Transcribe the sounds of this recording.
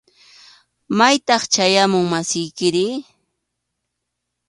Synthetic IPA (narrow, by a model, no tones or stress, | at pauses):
majt̪ɑχt͡ʃajamʊŋmasɪjkɪɾɪ